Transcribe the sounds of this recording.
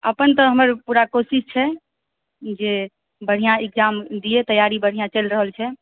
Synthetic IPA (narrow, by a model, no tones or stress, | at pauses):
əpənt̪ɔɦəməɾpuɾakosist͡ʃʰɛ | d͡ʒe | bəɽ̤ijãek̚d͡ʒamd̪iet̪əjaɾibəɽ̤ijãt͡ʃəlɾəɦəlt͡ʃʰɛ